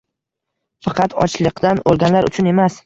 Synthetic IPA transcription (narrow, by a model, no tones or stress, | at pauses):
fɑqʰɑt̪ʰɒ̰t͡ʃlˠɨqd̪anolˠɡʲanlaɾʊ̰t͡ʃʰʊne̞mas